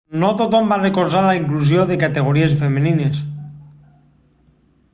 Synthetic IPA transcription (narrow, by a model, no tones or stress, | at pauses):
not̪ot̪ombarekoɾsaɾlaiŋklus̬joðekat̪e̞ɣ̞oɾiesfe̞mẽnĩnes